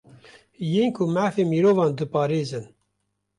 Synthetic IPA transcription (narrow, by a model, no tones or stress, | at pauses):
jeːnkʰʊmæːfeːmiːɾoːvɑːnd̪ɨpɑːɾeːzɨn